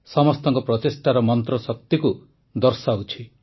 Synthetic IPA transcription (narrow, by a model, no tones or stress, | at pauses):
sɔmɔst̪ɔŋkɔpɾɔt̪esʈaɾɔmɔnt̪ɾɔsɔk̚t̪iku | d̪ɔɾsaɦut͡ʃʰi